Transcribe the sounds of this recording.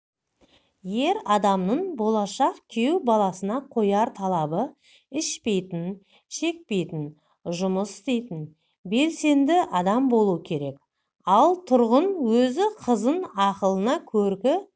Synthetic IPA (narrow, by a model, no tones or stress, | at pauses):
je̞ɾɑd̪ɑmnəɴbo̞lˠɑʃɑqkʲʰe̞wbɑlˠɑsənɑqʰo̞jɑɾt̪ʰɑlˠɑbə | ɪʃpe̞jt̪ɪn | ʃe̞k̚pe̞jt̪ɪn | ʒʊməsɪ̥st̪e̞jt̪ɪn | be̞lse̞nd̪ɪʔɑd̪ɑmbo̞lˠuəkʲʰe̞ɾe̞k | ɑlˠt̪ʰʊɾʁənwɵzɪqʰəzənɑqəlˠənɑkʲʰɵɾkʲɪ